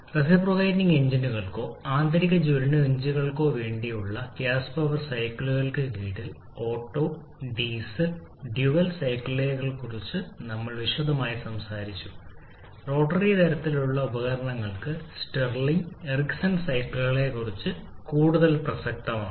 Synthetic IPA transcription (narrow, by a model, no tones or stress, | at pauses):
res̬iproːɣɐjʈniŋɡeɲd͡ʑinuɣɐɭko̞ːaːnt̪ʰɐɾiɣɐd͡ʑuɾɐɳɨeɲd͡ʑiɣɐɭko̞ːʋeːɳɖijuɭːɐkjaːspɐʋɐrsɐjkːɭuɣɐɭkɨkiːʈːil | o̞ːʈːo̞ː | ɖiːsɐl | ɖjuʋɐlsɐjkɭile̞ːkɐɭkurit͡ɕːɨnɐmːɐɭʋiʂoðɐmaːjisɐmsaːɾit͡ɕːu̥ | ro̞ːʈːɐrit̪ɐɾɐt̪ːiluɭːɐubɐɣɐɾɐɳɐŋːɐɭkɨsʈɐrliŋeriksɐnsɐjkɭɨɣɐɭe̞kːurit͡ɕːɨkuːɽuðɐlprɐsɐk̚t̪ɐma̰ː